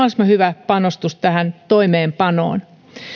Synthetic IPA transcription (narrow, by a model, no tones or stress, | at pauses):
ɑsmɑhyʋæpɑnost̪ust̪æhænt̪oimeːmpɑno̰ːn